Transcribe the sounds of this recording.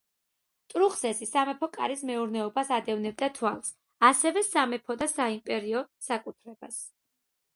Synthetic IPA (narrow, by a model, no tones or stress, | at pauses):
t̪ʼɾuχsɛsisamɛpʰɔkʼa̰ɾismɛuɾnɛɔbasad̪ɛvnɛb̚d̪at̪ʰwalˠs | asɛvɛsamɛpʰɔd̪asaimpʼɛɾiɔsakʼut̪ʰɾɛb̥as